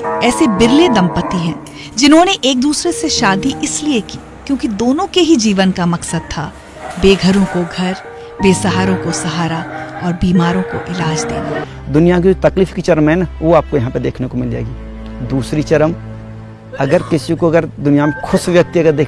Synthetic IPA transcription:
ɛːsebɪɾled̪ɐ̃mpət̪iɦɛ̃ː | d͡ʒɪnɦõːneʔeːk̚d̪uːsɾeseʃaːd̪iʔɪsliekiːkjõːkid̪oːnõkeɦid͡ʒiːʋənkamɐksəd̪̚t̪ʰa | beːɡʱəɾõkoɡʱɐɾ | beːsɐɦaːɾõkosɐɦaːɾaɔːɾbiːmaːɾõko̰ʔɪlaːd͡ʒd̪ḛːna̰ː | d̪ʊnijakid͡ʒot̪ɐkliːfkit͡ʃɐɾmɦɛnaʋoaːp̚kojɐɦãːped̪eːkʰnekomɪlḛːɡiː | d̪uːsɾit͡ʃɐɾəm | ɐɡəɾkɪsikoɐɡəɾd̪ʊnijamẽkʰʊsʋjɐk̚t̪iɐɡəd̪eː

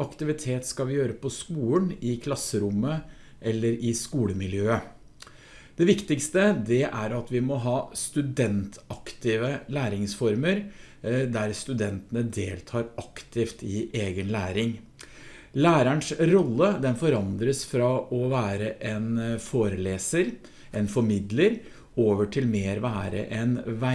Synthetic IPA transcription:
ɑkt̪ɪʋɪt̪ʰeːt̪skɑʋɪjøːɾəpʰɔskuːlnɪkʰlɑsəɾʊmːə | ʔɛlːəɾɪskuːləmɪljøːə | d̪̥ɛʋɪkt̪ɪkst̪əd̪ɛʔæɾɑt̪ʋɪmɔɦɑːst̪ʉd̪ɛnt̪ʰɑkt̪ɪːʋəlæːɾɪŋsfɔɾməɾd̪æɾst̪ʉd̪ɛnt̪ənəd̪eːlt̪ʰɑːɾɑkt̪ʰɪft̪ɪʔeːɡənlæːɾɪŋ | læːɾəɳʂɾɔlːəd̪ɛnfɔɾɑnd̪ɾəsfɾɑʔɔʋæːɾəʔɛnfoːɾəleːsəɾ | ʔɛnfɔɾmɪd̪ləɾ | oːʋəʈʰɪlmeːɾʋæːɾə̰ʔɛnʋæ

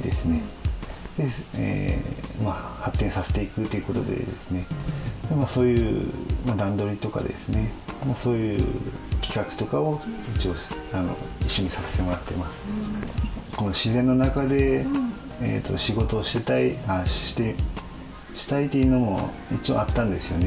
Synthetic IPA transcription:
d̪e̞̰sɨne̞d̪̥e̞ḛmahat̪ːẽ̞ɰ̃saset̪e̞ikɯt̪ːoiɯ̟ko̞t̪o̞d̪ḛd̪e̞̰sɨne̞d̪emaso̞ːjɯ̰ːmad̪ãnd̪o̞ɾʲit̪o̞ka̰d̪e̞̰sɨne̞maso̞ːjɯːkʲi̥kakɯ̟̥t̪o̞kao̞it͡ɕio̞ano̞̰iɕːo̞ɲ̟isase̞̥t̪e̞mo̞ɾat̪ːe̞masɨ̥ | ko̞no̞ɕizẽ̞nːo̞nakad̪e̞ | ḛt̪ʰːo̞̰ɕiɡo̞t̪o̞ːɕi̥t̪e̞t̪aihaɕi̥t̪e | ɕi̥t̪ait̪ːeiɯ̟no̞mo̞̰ | it͡ɕio̞̰at̪ːãnd̪e̞sɨjo̞ne

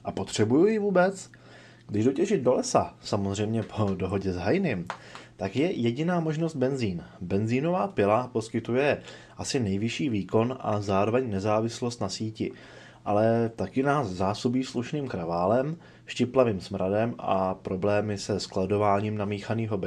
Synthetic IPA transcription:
ʔapo̞t̪r̝̥ɛbujujɪvuːbɛt͡s | ɡdɪʒdo̞cɛʒɪd̪̚do̞lɛsasamozr̝ɛjmɲɛpʰodo̞ɦo̞ɟɛzɦajnɪmt̪akjɛjɛɟɪnaːmo̞ʒnost̪̚bɛnziːnbɛnziːno̞vaːpɪlapo̞skɪt̪ujɛ | ʔasɪnɛjvɪʃiːviːko̞nʔa̰zaːɾo̞vɛɲnɛzaːvɪslost̪nasiːcɪ | ʔalɛt̪akɪnaːszaːsobiːsluʃniːmkɾavaːlɛm | ʃcɪplaviːmsmɾʔadɛmʔa̰pɾo̞blɛːmɪsɛsklado̞vaːɲiːmnamiːxaniːɦo̞b

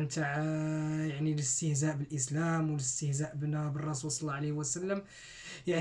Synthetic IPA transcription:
nt̪aʕ | jaʕniləst̪əhzæʔbəlʔəslæmwələst̪əhzæʔbnæbərˤːɑsulsˤɑlˤːɑʕalehwəsəlːəm | jaʕ

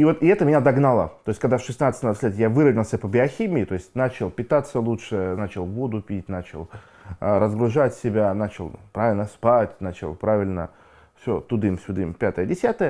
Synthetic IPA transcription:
ivo̞t̪ɪɛt̪əmʲɪnʲad̪ɐɡnalˠə̰t̪o̞ɪsʲtʲkɐɡ̚d̪afʂɨsnat̪sɨt̪ʲmasʲlʲet̪javɨɾəvnʲɪlˠsʲəpəbʲɪɐxʲimʲɪːt̪o̞ɪsʲtʲnat͡ɕɪlˠpʲɪt̪at̪sːəlˠutʂɨnat͡ɕɪlˠvo̞d̪ʊpʲit̚ʲnat͡ɕɪ̰lˠ | ɾəzɡɾʊʐatʲsʲɪbʲanat͡ɕɪlˠpɾavʲɪlʲnəspatʲnat͡ɕɪ̰lˠpɾavʲɪlʲnə̰ | fsʲot̪ʊd̪ɨmsʲʊd̪ɨmpʲat̪əjədʲɪsʲat̪əjə

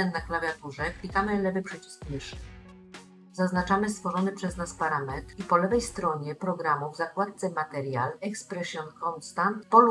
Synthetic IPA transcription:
ɛnnaklavʲjat̪uʐɛkʲlʲik̪amɘlɛvɘpʂɛt͡ɕi̥skmɘʂɘ | zaznat͡ʂamɘst̪fɔʐɔnɘpʂɛznaspaɾamɛt̪ɾipɔlɛvɛjst̪ɾɔɲɛpɾɔɡɾamuvzakwat̪̚t̪sɛmat̪ɛɾja̰lɛkspɾɛɕjɔnkɔnst̪ant̪pɔl

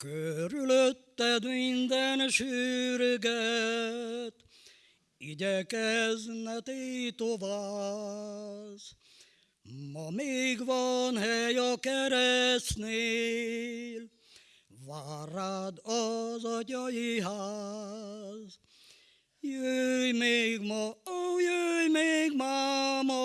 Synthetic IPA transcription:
køɾyløt̪ːɛd̪mind̪ɛnʃyːɾøɡɛ | t̪ | iɟɛkɛznɛt̪et̪ovaː | z | mɒmeːɡʋɒnhɛjɒkɛɾɛsne | l | ʋaːɾad̪ɔzɒtɒjiɦa | z | jøːjmeːɡmɔojøːjmeːɡmaːmɔ

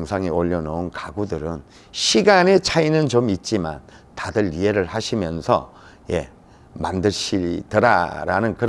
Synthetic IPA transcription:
ŋsʰaŋioʎːʌnʌunkaɡudɯɾɯn | ɕʰiɡane̞t͡ɕʰainɯnt͡ɕomit̚t͡ɕ͈ima̰n | tadɯɾie̞ɾɯɭhaɕʰimjʌnsʰʌ̰ | je̞̰ | mandɯɭɕʰitɯɾa̰ɾa̰nɯnkɯɾ

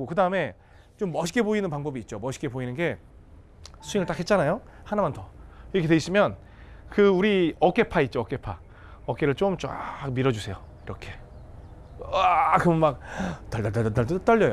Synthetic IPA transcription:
okɯdaɯme̞ | t͡ɕomːʌɕʰi̥k͈eboinɯnpaŋbʌbiːt̚t͡ɕ͈omʌɕʰi̥keboinɯnɡe̞ | sʰuiŋɯɭt͈akʰet̚t͡ɕ͈anajohanamantʰʌiɾʌkʰedweis͈ɯmjʌn | kɯuɾiʌk͈e̞pʰait̚t͡ɕ͈oʌk͈e̞pʰa | ʌk͈eɾɯɭt͡ɕ͈omt͡ɕa̰k̚miɾʌd͡ʑusʰe̞joiɾʌkʰe̞ | akɯmnmak̚tʌɭtʌtatʌtʌɭtt͈ʌʎːʌjo

